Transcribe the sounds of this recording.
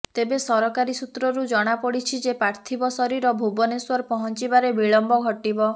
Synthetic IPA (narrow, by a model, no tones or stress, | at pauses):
t̪ebesɔɾɔkaɾisut̪ɾɔɾud͡ʒɔɽ̃apɔɽit͡ʃʰid͡ʒepaɾt̪ʰibɔsɔɾiɾɔbʱubɔneswɔɾpɔɦɔnt͡ʃibaɾebiɭɔmbɔɡʱɔʈibɔ